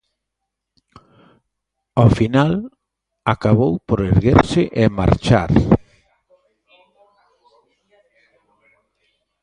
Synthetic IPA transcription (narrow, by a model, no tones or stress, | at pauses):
ofinal | akaβowpoɾeɾɣeɾsɪʔema̰ɾt͡ʃa̰ɾ